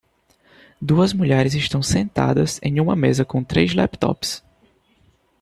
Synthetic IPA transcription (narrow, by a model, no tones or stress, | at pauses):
d̪uɐzmuʎɛɾɪzɪʃt̪ɐ̃w̃sẽnt̪a̰d̪ɐzẽj̃ũmɐmezɐkõt̪ɾejzlɛpt̪ɔ̰ps